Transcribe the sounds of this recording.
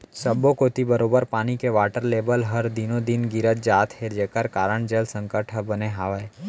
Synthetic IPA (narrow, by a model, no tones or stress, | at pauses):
səbokoːt̪ibəɾoːbəɾpaːnikeʋaːʈəɾleːbəlɦəɾd̪ɪnõd̪ɪnɡɪɾət̪̚d͡ʒaːt̪ʰhed͡ʒeːkəɾkaːɾəɳd͡ʒəlsə̃ŋkəʈʰəbəneɦaːʋe